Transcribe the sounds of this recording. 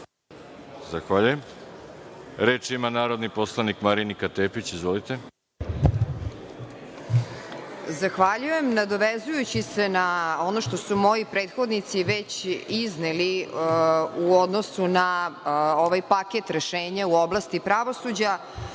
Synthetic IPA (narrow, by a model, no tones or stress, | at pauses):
zaxʋaʎujem | ɾe̞ːt͡ʃimanaːɾo̞d̪niposlˠanikmaɾinikat̪eːpit͡ɕizʋolit̪e | zaxʋaʎujemnad̪o̞ʋezujut͡ɕise̞nao̞no̞ʃt̪o̞sumo̞jipɾeːt̪xo̞d̪nit̪siʋet͡ɕizneli | uo̞d̪nosuna | oʋajpaket̪ɾe̞ʃeːɲauo̞blast̪ipɾaʋo̞sud͡ʑa